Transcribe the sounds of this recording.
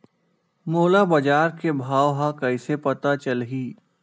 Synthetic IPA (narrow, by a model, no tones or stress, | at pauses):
moːlabɐd͡ʒaːɾkebʱaːwɦãkɐɪsepɐt̪at͡ʃɐlɦiː